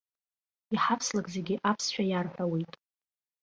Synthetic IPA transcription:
iħapʰslakʼzeɡʲiɪʔapʰsʃᶣajarħʷᶣawejtʼ

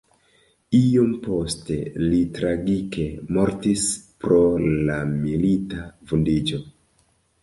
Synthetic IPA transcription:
iompo̞ste̞litɾaɡike̞mo̞ɾtispɾo̞lamilitavundid͡ʒo̞

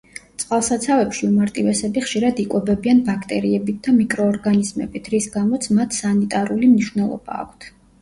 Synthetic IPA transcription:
t̪sʼqʼalˠsat̪sʰavɛpʃiumaɾt̪ʼivɛsɛbiχʃiɾad̪ikʼwɛbɛbianbakʰt̪ʼɛɾiɛbit̪̚d̪amikʼɾɔːɾɡanizmɛ̰bit̪ʰɾisɡamɔt̪sʰmat̪ʰsanit̪ʼaɾulimniʃvnɛlˠɔ̰b̥a̰ːkʷʰt̪ʰ

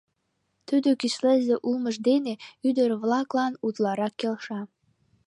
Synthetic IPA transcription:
t̪yd̪økiʃlə̆zeʔulməʒd̪eneyd̪əɾβlɑklɑnut̪lɑɾɑkːelʃɑ

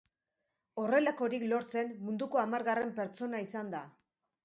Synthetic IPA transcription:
o̞re̞lako̞ɾiklo̞ɾt͡se̞nmːund̪uko̞amaɾɣare̞mpe̞ɾt͡so̞naisand̪a

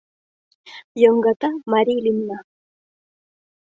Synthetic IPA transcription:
joɴɢɑt̪amaɾilɪmna

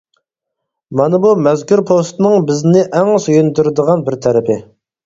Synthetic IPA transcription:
mɑnɨbumɛzkʲyɾpʰost̪ɨnɨŋbɪznɪʔæŋsøjynd̪yɾɪd̪əʁɑnbɪɾt̪ʰɛɾɪpʰɪ

